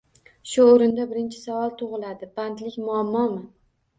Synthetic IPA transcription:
ʃʊoɾɪnd̪abɪɾɪnt͡ʃʰɪ̥savɒlˠt̪ʰoʁɨlˠad̪ɪbant̪lɪkʲmʊamːɒmɪ

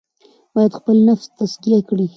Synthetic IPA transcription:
b̥ɑjad̪xpəlnafst̪askijakɽi

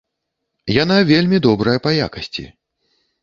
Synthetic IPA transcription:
janavʲelʲmʲid̪ɔbɾɐjɐpɐja̰kɐsʲt͡sʲḭ

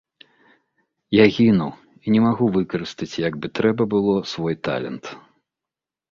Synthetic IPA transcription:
jaɣʲinuw | inʲɛmaɣuvɨkɐɾɨst̪ɐt͡sʲjɐɡ̚bɨt̪ɾɛbɐbɨlˠɔsvɔjt̪a̰lʲɛ̰nt̪

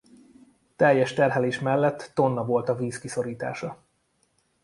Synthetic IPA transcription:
t̪ɛjːɛʃt̪ɛrɦɛleːʃmɛlːɛt̪ːo̞nːɒvo̞lt̪ɒviːskiso̞ɾiːt̪a̰ːʃɒ

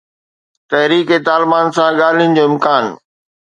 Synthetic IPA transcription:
t̪ɐɦɾiːket̪aːlɪbaːnsãɠaːl̤ijənɪ̆d͡ʑoːɪmkaːn

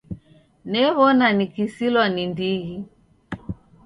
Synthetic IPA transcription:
nɛβɔnanikisilwanindiɣi

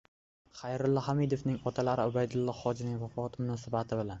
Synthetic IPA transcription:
χajɾʊlˠːɒhamid̪ofnɪŋɒt̪ʰalaɾɪʊbajd̪ʊlˠːɒχɒd͡ʒɪnɪŋvafɒat̪mʊnɒsabat̪ʰɪbɪlan

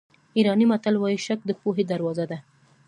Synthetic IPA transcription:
iɾɑnimat̪alwɑjiʃak̚d̪əpoɦed̪aɾwɑzad̪a

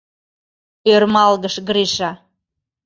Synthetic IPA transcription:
ørmɑlɣəʃɣɾiʃɑ

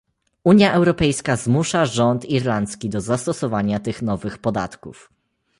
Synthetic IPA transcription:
uɲjaʔɛwɾɔpɛjskazmuʂaʐɔnt̪iɾlant̪skʲid̪ɔzast̪ɔsɔvaɲat̪ɘxnɔvɘxpɔd̪a̰t̪kṵf

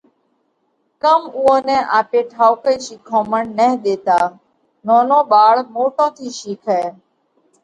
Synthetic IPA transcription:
kəmuːõːnɛ̃ːʔaːpeːʈʰaːwkəiːʃiːkʰõːməɳnəɦɗ̪eːt̪aː | nõːnõːɓaːɭmoːʈõːt̪ʰiːʃiːkʰɛː

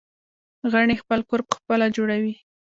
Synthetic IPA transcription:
ɣaɳexpəlkoɾpə̥xpəlad͡ʒoɽawi

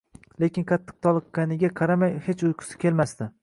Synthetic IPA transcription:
le̞kʲɪnqʰɑt̪ʰːɨ̥q̚t̪ʰɒlˠɨqːanɪɡʲaqʰɑɾamajhet͡ʃʊjqʰʊ̥sɪ̥kʲʰe̞lmast̪ɪ

